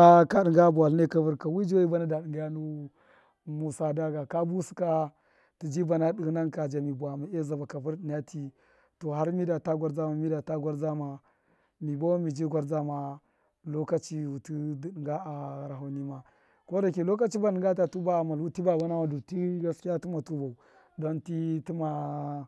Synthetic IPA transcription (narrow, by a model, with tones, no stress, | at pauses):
a˦ka˦ɗi˨ŋɡa˦bu˨a˨lne˦ka˦vu˦ɾka˨wi˦d͡ʒi˦wi˦ba˦na˦da˨ɗi˨ŋɡa˦ja˦nu˦ | mu˨sa˦da˦ɡa˨ka˦bu˦si̥˦ka˦ | ti˨d͡ʒi˦ba˨na˦ɗi˨ɣna˦nka˨d͡ʒa˨mi˨ba˨mi˨e˦za˨ba˨ka˨vu˦ɾdi˨n˨a˦tʰi˦ | to˨ɦa˦ɾmi˦da˨ta˦ɡʷa˨˦ɾd͡za˦ma˨mi˦da˨ta˦ɡʷa˦ɾd͡za˦ma˨ | mi˨bo˦mi˨d͡ʒi˦ɡʷa˦ɾd͡za˦ma˨ | lo˦ka˦t͡ʃi˦wu˨tu˦dŋɡa˦a˨ɾa˨ɦa˨ni˦ma˨ | ko˦da˨ke˨lo˦ka˦t͡ʃi˦ba˨ni˨ŋɡa˦ta˨tu˦ba˦˨ma˨lwu˦ti˦ba˨ba˦na˦ma˦du˨ti˦ɡa˦skʲi˦a˦ti˦ma˨tu˦ba˨u˨ | do˦nti˦ti˦ma˨